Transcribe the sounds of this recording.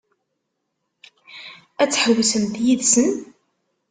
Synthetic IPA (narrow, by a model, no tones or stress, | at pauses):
æt͡sːħəwsəmðjiðsən